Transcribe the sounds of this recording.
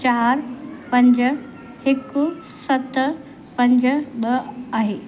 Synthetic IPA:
t͡ɕaːɾpɐ̃ɲd͡ʑ | hɪkʊ | sɐt̪ | pɐ̃ɲd͡ʑɓɐaɦeː

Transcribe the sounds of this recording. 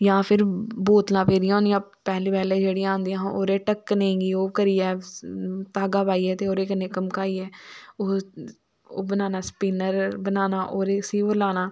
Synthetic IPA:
jãːpʰɪɾboːt̪lãːpeːɾiãːnjãːpɛːliːpɛːleːd͡ʒeːɽiãːnd̪iãːoːɾeːʈəkːnẽːɡiːoːkəɾiːɛː | t̪aːɡaːbaːiːɛːt̪eoːɾeːkənekəmkaːiːɛːoː | oːbənaːnaːspiːnəɾbənaːnaːʔoːɾeːsiːʋəɾlaːnaː

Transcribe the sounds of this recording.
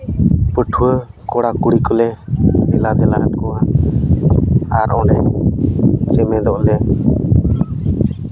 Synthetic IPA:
pəʈʰuwə | kɔɽakuɽikɔlɛɛlad̪ɛla̰nkɔa | aɾʔɔnɛ | t͡ʃɛmɛd̪ɔʔlɛ

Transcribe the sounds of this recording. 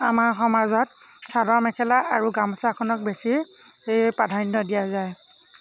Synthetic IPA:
amaɹxɔmazɔt̚ | sadɔmɛkʰɛlaʔaɹuɡamɔsakʰɔnɔk̚besi | padʱajnːɔdijazaj

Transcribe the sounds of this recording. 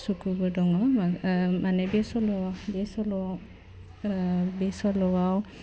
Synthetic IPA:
sukubɔdɔŋɔ | manɛbɛsɔlɔwabɛsɔlɔ | bɛsɔlɔwaw

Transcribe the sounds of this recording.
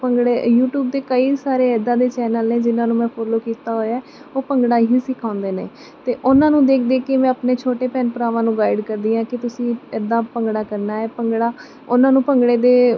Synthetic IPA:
pəɡɽeːjuːʈjuːb̚d̪eːkəiːsaːɾeːɛːd̪ãːd̪eːt͡ʃɛːnəlneːd͡ʒɪnãːnũːmɛ̃ːpʰoːloːkiːt̪aːɦoːjaːɛːoːpəŋɡɽaːɦiːsɪkʰãːnd̪eːnḛː | t̪eːʔʊnãːnũːd̪eːkʰd̪eːkemɛ̃ːəpneːt͡ʃʰoːʈeːpɛːnpəɾaːʋãːnũːɡaːɪɖkəɾd̪iːãːkɪt̪ʊsĩːɛd̪ãːpəŋɡɽaːkəɾnaːɛːpəŋɡɽaː | ʊnãːnũːpəŋɡɽeːd̪eː

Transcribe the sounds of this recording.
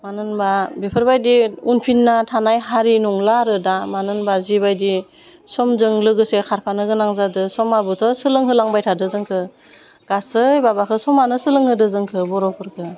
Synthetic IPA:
manɯnbabepʰɯɾbajdiunpʰinːatʰanajɦaɾinɔŋlaɾɯdamanɯnbazibajdi | sɔmzɯŋlɯɡɯsekʰaɾpʰanɯɡɯnaŋzadɯsɔmabɯtʰɔsɯlɯŋɦɯlaŋbajtʰadɯzɯŋkʰɯ | ɡ̥asɯjbabakʰɯsɔmanɯsɯlɯŋhɯdɯzɯŋkʰɯbɔɾɔpʰɯɾkʰɯ

